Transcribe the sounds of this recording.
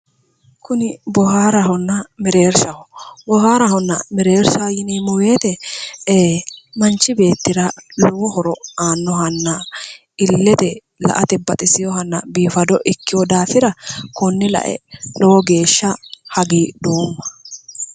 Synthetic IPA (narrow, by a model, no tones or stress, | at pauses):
kʰʊnɪbɔhaːɾɐɦɔnːɐmɛɾe̞ːɾsɐhɔbɔhaːɾɐhɔnːɐ̰mɛɾe̞ːɾsɐjɪniːmɔwe̞ːt̪ɛ | mɐnt͡ʃːɪbe̞ːt̪ːɪɾɐlɔwɔhɔɾɔaːnːɔɦɐnːɐ | ɪlːɛt̪ɛ | lɐ̰ʔɐt̪ɛbɐt̪ʼɪsɪjɔhɐnːɐ̰biːfɐd̪ɔʔɪkːɪjɔd̪aːfɪɾɐkɔnːɪlɐ̰ʔɛ̰lɔwɔɡe̞ːʃːɐhɐɡiːd̪oːmːɐ̥